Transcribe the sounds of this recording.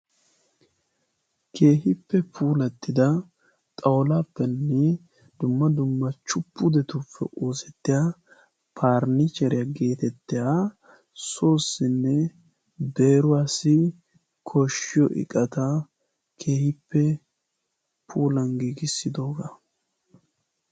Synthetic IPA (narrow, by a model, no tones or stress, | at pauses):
kʰe̞ːɦɪpːɛpʰuːlɐt̪ːɪd̪ɐ | t̪ʼɐwlaːpːɛnːɛ | d̪̥ʊmːɐd̪ʊmːɐt͡ʃʊpːʊd̪ɛt̪ʊpʰːɛ̰ʔoːsɛt̪ːɪja | pʰaːɾnɪt͡ʃɛɾɪjaɡe̞ːt̪ɛt̪ːɪjaː | so̞ːsːɪnːɛ | be̞ːɾʊwaːsɪ | kʰɔʃːɪjɔʔɪ̰kʼɐt̪ɐ | kʰe̞ːhɪpːɛ | pʰuːlɐnɡiːɡɪsːɪd̪o̞ːɡa